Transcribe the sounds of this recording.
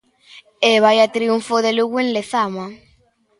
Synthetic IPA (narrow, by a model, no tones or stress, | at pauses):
eβajat̪ɾiuɱfoðeluɣwenleθama